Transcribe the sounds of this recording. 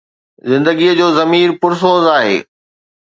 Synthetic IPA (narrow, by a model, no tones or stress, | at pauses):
zɪ̃nd̪əɡiəd͡ʑoːzɐmiːɾpʊɾs̬oːzaːɦḛː